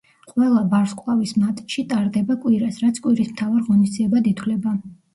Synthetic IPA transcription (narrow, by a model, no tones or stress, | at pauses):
qʼwɛlˠabaɾskʼlˠavismat̪ʼʃit̪ʼaɾd̪ɛbakʼwiɾasɾat̪sʰkʼwiɾismt̪ʰavaɾʁɔnisd̪ziɛbad̪it̪ʰwlɛba